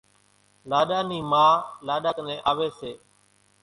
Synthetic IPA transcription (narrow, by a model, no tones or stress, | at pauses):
laːɗaːniːmaːlaːɗaːknẽːʔaːʋeːseː